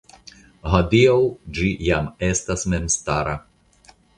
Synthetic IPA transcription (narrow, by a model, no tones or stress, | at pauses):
ɦad̪iowd͡ʒijamestasmemst̪aɾa